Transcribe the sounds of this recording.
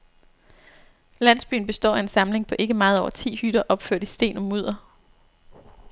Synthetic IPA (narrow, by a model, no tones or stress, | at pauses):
læn̰sb̥y̰ːn̩b̥e̝sd̥ɒ̰ːæe̝nsɑ̈mle̝ŋpʰɒ̽ʔe̝ɡ̥əmɑ̈ːð̞̩ˠɒʊɐt͡sʰḭːhyɾ̥ɐʔɒ̽b̥føɐ̰ɾ̥isd̥e̝̰ːnɒ̽muð̞̰ˠɐ